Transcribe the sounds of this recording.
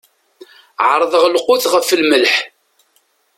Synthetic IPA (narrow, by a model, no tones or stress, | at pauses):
ʕəɾˤðˤəʁlqːʊθʁəfəlməlħ